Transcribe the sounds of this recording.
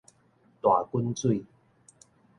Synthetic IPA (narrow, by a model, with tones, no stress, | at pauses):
t̪wa˨˩ku˦˥nt͡swi˥˧˨